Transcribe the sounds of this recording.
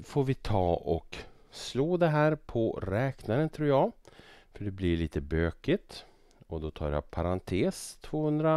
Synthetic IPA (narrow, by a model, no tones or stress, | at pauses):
foːɾvɪt̪ʰɑːʔɔ̰ksloːd̪ɛɦæːɾpʰɔɾɛːknaɾənt̪ʰɾuːɾjɑːfœɖɛblɪɭiːt̪əbøːkɪt̪ | ɔd̪ɔt̪ʰɑ̰ːɾja̰pʰaɾant̪ʰeːst̪ʰvoːhɵnd̪ɾa